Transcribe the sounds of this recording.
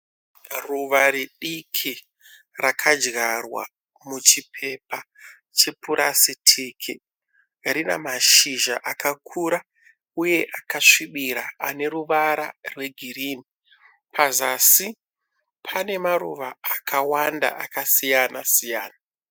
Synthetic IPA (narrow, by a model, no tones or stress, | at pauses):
ruʋaɾiɗikʰi | rakʰad͡ʒɡarwa̰ | mut͡ʃipʰe̞pa | t͡ʃe̞puɾʔasitʰiːkʰi | rina̰maʃiʒaʔakakʰuːɾa | uje̞ʔakaʂiɓiɾa̰ane̞ɾuʋaɾa̰rwe̞ɡʱiriːni | pʰazasi | pʰane̞maɾuʋaːkʰawanda̰ʔakasijanasijaːna